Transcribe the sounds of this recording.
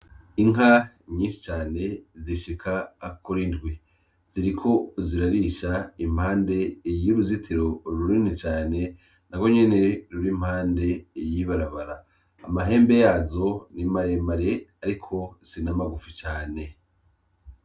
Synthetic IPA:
iŋɦa | ɲiːnʃi̥t͡ʃaːne̞ziʃikʰaːkuɾindɡwi | z̥iɾikʰo̞ziɾaɾiʃaim̥haːnde̞jiβuzitʰiɾo̞ɾuɾinit͡ʃaːne̞ | naɡwo̞ɲe̞ne̞ɾuɾim̥haːnde̞jiβaɾaβaɾaː | maɦe̞ːmbe̞jaːzo̞nimaɾemaɾe̞aɾikʰo̞sinamaɡufit͡ʃaːne̞

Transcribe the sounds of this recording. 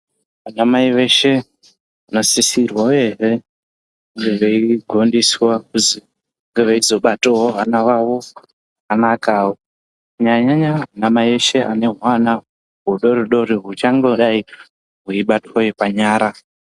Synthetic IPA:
ʋanamaiʋe̞ʃe̞ | anosisirwauje̞ɦe̞ | uŋɡe̞ʋeiɡʱo̞ndiswakuzi | uŋɡeʋeizo̞ɓatoɦoɦanaʋawo | anakaːwo | ɲaɲaɲaanamaieʃeʔa̰ne̞ɦwana | ɦuɗo̞ɾiɗo̞ɾiɦut͡ʃaŋɡeɗai | ɦuiɓatojepaɲaːɾa

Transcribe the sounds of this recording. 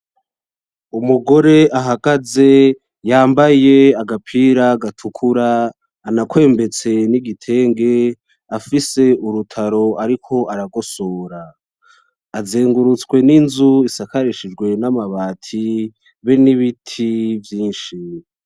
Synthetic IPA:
umuɡo̞ɾe̞ʔaɦaɡ̥aze̞ | jaːmbaje̞aɡapʰiɾaɡatʰukʰuɾaː | nakwe̞ːmbe̞t͡se̞niɡitʰe̞ːŋɡe̞ | afise̞ʔuɾutʰaɾo̞aɾikʰo̞ʔaɾaɡo̞so̞ːɾaː | zeːŋɡuɾut͡skwe̞ninzuisakaɾeʃid͡ʒɡwe̞namaβaːtʰi | βeniβitʰivjiːnʃi

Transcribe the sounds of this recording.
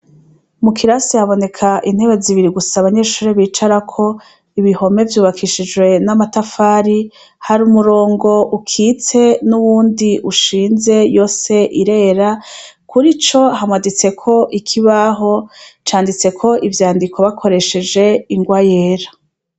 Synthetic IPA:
mukʰiɾasihaβo̞ne̞kʰaʔin̥heβe̞ziβiɾiɡusaβaɲe̞ːʃuːɾeβiːt͡ʃaɾakʰo̞ | iβiho̞me̞vjuːβakʰiʃid͡ʒɡwe̞namatafaːɾi | haɾumuɾo̞ːŋɡo̞ʔukʰiːt͡se̞nuβuːndiʔuʃiːnze̞jo̞ːse̞ʔiɾe̞ːɾakuɾit͡ʃo̞hamwadit͡se̞kʰo̞ʔikʰiβaɦo̞t͡ʃaːndit͡se̞kʰo̞ʔivjaːndikʰo̞βakʰo̞ɾe̞ʃe̞d͡ʒe̞iŋɡwaje̞ːɾa

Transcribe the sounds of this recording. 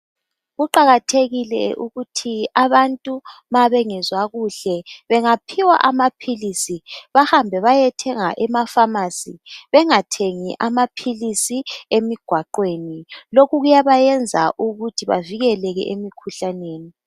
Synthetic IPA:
ɣuǃaɣatʰeɣilɛ̰uɣutʰiaβantʼumaβɛŋɛzwaɣuɬɛβɛŋapʰiwa̰ʔamapʰilisiβahambʱɛβajɛtʰɛŋa̰ʔɛmafamasiβɛŋatʰeŋiʔamapʰilisiemiɡ̥ʱwaǃwenilokuɣujaβajɛnd͡zʱa̰ʔuɣutʰiβa̰viɣɛlɛɣɛ̰ʔemikʰuɬaneːni

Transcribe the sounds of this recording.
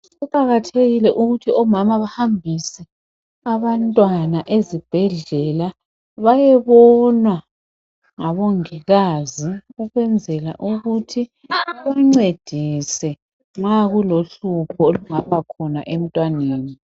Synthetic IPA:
uǃaɣatʰeɣilɛʔuɣutʰiɔmamaβahambʱisɛ | aβantʼwanaʔezib̥ʱɛɮɛla | βajɛβɔnwa | ŋaβoŋiɣaziuɣwɛnd͡zʱɛla̰ʔuɣutʰi | aβaŋ͡ǀed̥ʱisɛ | ŋ͡ǁaɣuloɬupʰɔoluŋapʰakʰɔna̰ʔem̩tʼwaneːni

